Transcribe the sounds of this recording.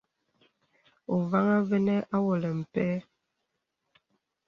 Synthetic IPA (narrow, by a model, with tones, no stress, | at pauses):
o˨va˦ŋa˦vɛ˦nɛ˦ʔa˦wo˨lɛ˨m̩˨pɛ˦